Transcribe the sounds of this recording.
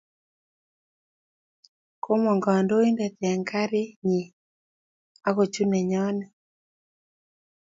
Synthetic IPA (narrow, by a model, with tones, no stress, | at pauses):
ko˦mɔ˨ŋɡa˨a˨ndo˦i˦ndɛ˨t̪ɛ˨a˨ŋɡa˦ɾi˦ɲi˨ | a˦ɣo˨t͡ʃu˦nɛ˨ɲɔ˦nɛ˨